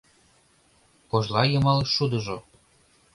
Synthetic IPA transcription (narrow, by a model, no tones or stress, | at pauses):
koʒlɑjɤ̆mɑleʃʃud̪əʒo